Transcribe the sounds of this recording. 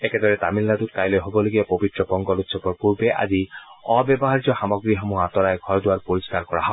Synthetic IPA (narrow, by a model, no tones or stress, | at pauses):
eked̪ɔɹɛt̪amilːat̪ut̚kajlojɦobɔloɡiapobitɹɔbɔŋɡɔlut̪sʰɔpɔɹpuɹbeʔa̰ziɔbɔbɔɦaɾit̪ɔxamɔɡɹiɦɔmuat̪ɔɾajɡʱɔɹd̪ʊwaɹpoɹiskaɾkɔɹaɦɔ